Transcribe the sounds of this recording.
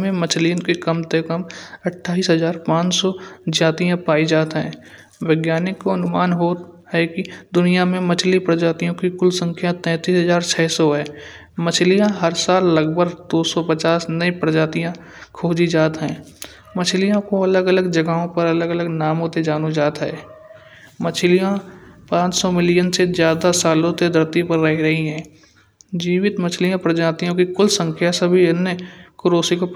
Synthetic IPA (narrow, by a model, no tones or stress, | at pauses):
mẽmət͡ʃʰlijõkekəmt̪ekəmɐʈʰːaːiːsɦəzaːɾpãːt͡ʃsɔd͡ʒaːt̪ijãpaːid͡ʒaːt̪ɦɛ̃ː | wɪɡjaːnɪkːoɐnʊmaːnɦoːt̪ɦɛkid̪ʊnijamẽmət͡ʃʰlipɾəd͡ʒaːt̪ijõkikʊlsə̃ŋkʰjat̪ɛ̃ːt̪iːsɦəzaːɾt͡ʃʰɛːsɔɦɛː | mət͡ʃʰlijãɦəɾsaːlːəɡbʱəɾd̪oːsɔpət͡ʃaːsnəĩpɾəd͡ʒaːt̪ijã | kʰoːd͡ʒid͡ʒaːt̪ɦɛ̃ː | mət͡ʃʰlijãkoɐləɡələɡd͡ʒəɡaõpəɾɐləɡələɡnaːmõt̪ed͡ʒaːnud͡ʒaːt̪ɦɛː | mət͡ʃʰlijãpãːt͡ʃsɔmɪlijənsezjaːd̪asaːlõt̪ed̪əɾt̪ipəɾːɐɦiɾɐɦiɦɛ̃ː | d͡ʒiːʋɪt̪mət͡ʃʰlijãpɾəd͡ʒaːt̪ijõkikʊlsə̃ŋkʰjasəbʱiɪnːekʊɾoːsiko